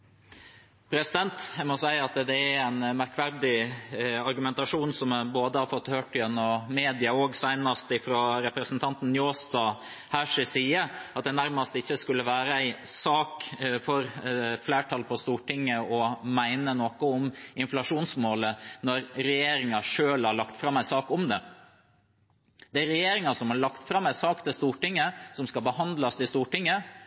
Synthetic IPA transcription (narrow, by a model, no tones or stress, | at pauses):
pʰɾɛsɪd̪ɛnt̪æmɔsæɪɑt̪d̪ɛææɪnmæɾkʰʋæɾd̪ɪ | ɑɾɡʉmɛnt̪ɑʂuːnsɔmboːd̪əhɑɾfɔt̪ːhøːʈɪʉnːɔmeːd̪ɪɑoːɡsæɪnɑst̪ɪfɾoːɾɛpɾəsnt̪ʰɑnt̪n̩njoːst̪ɑː | hæʂɪsiːəɑt̪̚d̪ɛnæɾmɑst̪ɪçːəskʉlːəʋæːɾəæɪsɑːkfɔɾfleːʈʰɑːlpʰɔst̪uːʈɪŋːəɔmæɪnənokəɔmɪnflɑʂuːnsmoːlənɔɾɾɛjeːɾɪŋɑʂøːlhɑɭɑkt̪fɾɑmːæɪsɑːkɔmd̪ɛ | d̪̥ɛæɾɛjeːɾɪŋɑsɔmhɑɾɭɑkt̪fɾɑmæɪsɑːkt̪ʰɪlst̪uːʈɪŋːəsɔmskɑlbəhɑnd̪lɑst̪ɪst̪uːʈɪŋːə